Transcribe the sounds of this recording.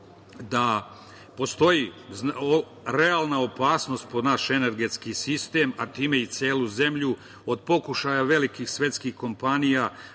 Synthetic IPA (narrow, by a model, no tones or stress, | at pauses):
d̪a | po̞st̪o̞jizo | ɾe̞alˠnaopaːsno̞st̪̚pod̪naʃe̞ne̞ɾɡe̞t̪skisist̪e̞ːmat̪iːme̞it̪sjeːluze̞mʎu | o̞d̪po̞kuʃajaʋe̞likixsʋe̞t̪skixko̞mpanija